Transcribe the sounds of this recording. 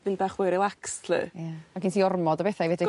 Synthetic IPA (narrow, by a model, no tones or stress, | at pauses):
ðɨnbaχwɪɾɪlˠakslɨ̰jamakinsiɔrmɔdəbɛθajvɛdɪ